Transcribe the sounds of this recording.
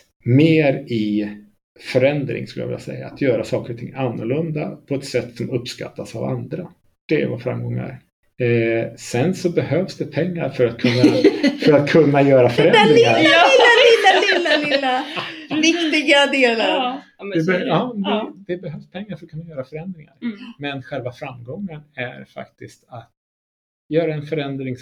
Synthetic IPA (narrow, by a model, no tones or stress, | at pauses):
meːɾɪ | fœɾɛnd̪ɾɪ̰ŋskɵləja̰vɪ̰lːa̰sɛ̰jːa̰ːt̪ʰjœːɾasɑːkəɾɔt̪ʰɪ̰ŋːanːʊɭɵnd̪apʰɔɛt̪sɛt̪ːsɔmɵpːska̰t̪ʰːasava̰nd̪ɾa | d̪̥ɛɛ̰vafɾa̰mːɡɔŋːaæ̰ɾ | sɛnsɔbɛhøːvsd̪ɛpʰɛŋːaɾfœɾat̪̚kʰɵnːafœɾat̪̚kʰɵnːajœːɾafœɾɛd̪ɾɪŋaɾɪlːalɪlːallːalɪlːavɪkt̪ɪɡad̪eːlaɾ | d̪ɛbɛɑːd̪ɛd̪ɛbɛɦøːvspʰɛŋːaɾfœɾɔt̚kɵnːajœːɾafœɾɛnd̪ɾɪŋa̰ɾmɛnɧɛlvafɾamːɡɔŋːənæ̰ɾfa̰kt̪ɪst̪at̪ | jœːɾaɛnfœɾɛnd̪ɾɪŋs